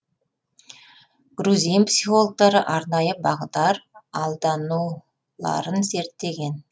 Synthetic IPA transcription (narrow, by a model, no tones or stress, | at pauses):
ɡ̥ɾuzijmpsiχo̞lˠok̚t̪ɑɾəʔɑɾnɑjəbɑʁəd̪ɑɾɑlˠd̪ɑnu | lˠɑ̰ɾənze̞ɾt̪ːe̞ɡʲe̞n